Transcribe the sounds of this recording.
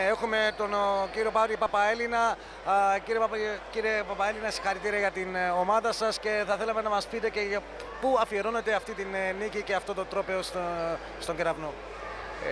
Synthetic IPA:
exume̞t̪onciɾiopɐvɾiipɐpɐe̞linɐ | ciɾiepɐpciɾepɐpɐe̞linɐsi̥xɐɾit̪iɾiɐʝɐt̪inomɐðɐsɐsce̞θɐθe̞lɐmenɐmɐspit̪e̞ceʝɐ | puɐfie̞ɾo̞ne̞t̪eɐft̪it̪innːiciceɐft̪o̞t̪o̞t̪ɾo̞pe̞o̞s | st̪o̞ɲɟeɾɐvno

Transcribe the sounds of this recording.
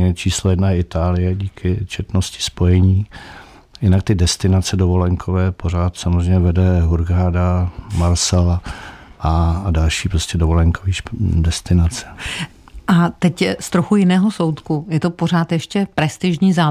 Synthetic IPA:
ɛt͡ʃiːslojɛdnajɛɪt̪aːlɪjɛɟiːkʰɪt͡ʃɛt̪noscɪ̥spo̞jɛɲiː | jɪnak̚t̪ɪdɛst̪ɪnat͡sɛdovo̞lɛŋkʰovɛːpor̝aːt̪samozrɛjɲɛvɛdɛɦuɾɡaːdamaɾsɛlaʔadalʃiːpɾoscɛdovo̞lɛŋkʰoviːʃdɛst̪ɪnat͡sɛ̥ | ʔat̪ɛcst̪ɾoxujɪnɛːɦoso̞wt̪kujɛt̪opo̞r̝aːt̪jɛʃcɛpɾɛst̪ɪʒɲiːzaː

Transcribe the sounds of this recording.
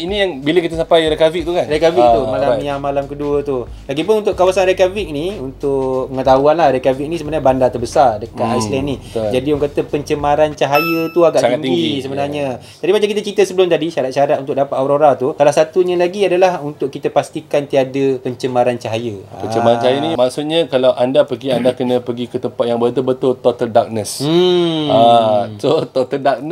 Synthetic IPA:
inijaŋbiləkit̪əsampajɾekavik̚t̪ukanɾekavtik̪̚umalamjamalamkəduət̪u | laɡipʊnunt̪ʊʔkawasanɾekavɪk̚niunt̪ʊʔpəŋət̪aɦuanlahɾɛkavik̚nisəbənaɲabandat̪ərbəsardəkat̪ajslɛniəd͡ʒadiuŋkat̪əpəɲt͡ʃəmaɾant͡ʃaɦajət̪uaɡaʔsŋaŋiɡisəbənarɲə̃ | t̪aɾimat͡ʃamkit̪ət͡ʃit̪əsəbəlʊmt̪adiʃaɾat̪̚ʃaɾat̪̚unt̪ʊk̚dapat̪aɾoɾat̪usalahsat̪uɲalaɡiadalahunt̪ʊʔkit̪əpast̪ikant̪iadəpəɲt͡ʃəmãɾant͡ʃaɦajəət͡ʃəmaɾant͡ʃaɦajənĩmaksut̪̚ɲakalawʔandapəɡiandakənə̃pəɡikət̪əmpat̪̚jaŋbət̪ʊlbət̪ʊlt̪ot̪əldak̚nəs̩at̪ot̪ot̪əldak̚n

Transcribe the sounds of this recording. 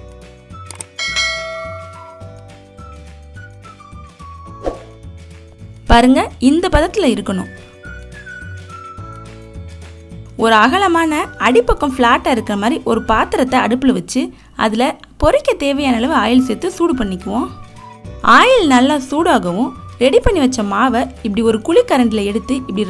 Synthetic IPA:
pɐɾɯŋɡɐɪnd̪ɐpɐðɐt̪ːɪlɐɪɾɯkːɐɳʊ̰̃ | ɔɾɯɐɣɐlɐmaːnɐɐɽɪpːɐkːɐmfɭaːʈːaːɪɾɯkːɪɾɐmaːd̪ɾiʔɔɾɯpaːt̪ːɯɾɐt̪ːɐɐɽɯpːɯlɯʋɐt͡ʃːɯ | ɐ̰ðɪlɐ | pɔɾɪkʲːɐt̪eːʋɐjaːnɐɐlɐʋɯaːjɪlsɛt̪ːɯsuːɽɯpɐɳːɪkʲːɯʋõː | aːjɪlnɐlːɐsuːɽaːɣɐʋʊ̃ | ɾɛɽipɐɳːiʋɐt͡ʃːɐmaːʋɐɪpːɐɽiɔɾɯkʊɭikːɐɾɐɳɖɪlɐɛɽɯt̪ːɯɪpːɽi

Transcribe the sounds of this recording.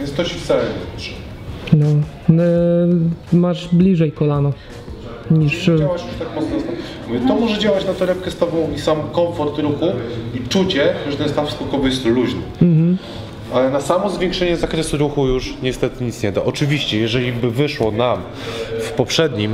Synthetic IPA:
vʲɛnst̪ɔt͡ɕift̪salɛɲɛɛʂɛ̥ | nɔ | n | maʐblʲiʐɛjkɔlanɔ | ɲiʂawat͡ɕjuʂt̪akmɔt̪snɔst̪ɔ | vʲt̪ɔmɔʐɛd͡ʑawat͡ɕnat̪ɔɾɛp̚kɛst̪ɔbɔ̃w̃isamkɔɱfɔɾt̪ɾuxuit͡ʂut͡ɕɛʐɛt̪ɛnst̪afskɔkɔvɔjɛst̪luʑnɘm̩mm̩ | alɛnasamɔzvʲjɛ̃ŋkʂɛɲɛzakɾɛsuɾuxujuʂɲɛst̪ɛt̪ɘɲit̪sɲɛd̪aʔɔt͡ʂɘvʲiɕt͡ɕɛjɛʐɛlʲibɘvɘʂwɔnam | fpɔpʂɛd̪ɲim

